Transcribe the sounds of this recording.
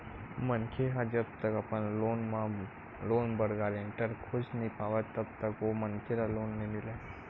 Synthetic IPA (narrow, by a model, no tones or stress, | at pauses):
mənkʰeɦad͡ʒəbt̪əkɐpənloːnmã | loːnbəɽɡaːɾeɳʈəɾkʰʊd͡ʒnipʰaːʋət̪əbt̪əkʋomənkʰeɾaloːnːẽmɪle